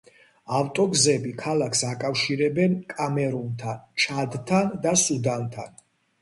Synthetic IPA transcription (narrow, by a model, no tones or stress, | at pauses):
aft̪ʼɔɡzɛbikʰalakʰsakʼafʃiɾɛbɛnkʼamɛɾunt̪ʰant͡ʃʰad̪t̪ʰand̪asud̪ant̪ʰa̰n